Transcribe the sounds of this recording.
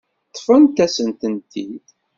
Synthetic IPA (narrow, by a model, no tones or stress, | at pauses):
t̪ˤːfənt̪æsənt̪ənt̪id̪